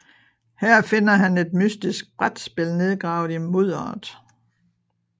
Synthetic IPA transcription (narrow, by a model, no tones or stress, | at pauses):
hæɐ̰fe̝n̰ɐɦæne̝d̥mysd̥isɡ̥̚b̥ʁad̥sb̥e̝lne̝ð̞ˠɡ̥ʁɑ̈ʊð̩ˠimoð̰ˠɒ̰ːd̥ˠ